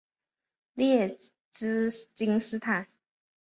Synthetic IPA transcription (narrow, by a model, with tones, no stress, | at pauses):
ljɛ˥˩ | t͡s̩˥t͡ɕi˥ŋsɹ̩˥t̪ʰa˥˩n